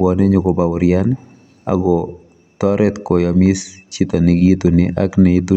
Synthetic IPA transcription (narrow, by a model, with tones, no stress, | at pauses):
ɔ˨nɛ˦ɲo˨koba˨ʊ˨ɾja˦n | a̰˨ɡɔ | t̪ɔɾɛt̪ko˨ja˨mi˦st͡ʃit̪a˨ni˨ɡi˦t̪unɛʔaknɛit̪u˦